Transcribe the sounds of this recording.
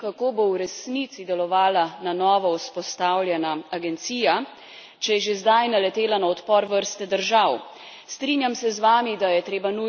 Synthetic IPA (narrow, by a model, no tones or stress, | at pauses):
kakoːbowɾɛsnit̪sid̪ɛlɔʋaːlananɔːʋɔwspɔst̪awljɛnaaɡɛnt̪siːja | t͡ʃɛjɛʒezd̪ajnalɛt̪eːlanaɔt̪pɔɾʋəɾst̪ɛd̪əɾʒaw | st̪ɾiːnjamsɛzʋaːmid̪ajɛt̪ɾeːbanu